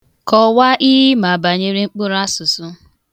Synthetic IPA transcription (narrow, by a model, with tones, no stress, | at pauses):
kɔ˨wa˦ʔi˦i˦ma˨ba˨ɲe˦ɾi˦ŋ͡m̩˦k͡pʊ˦ɾa˦sʊ˨sʊ˦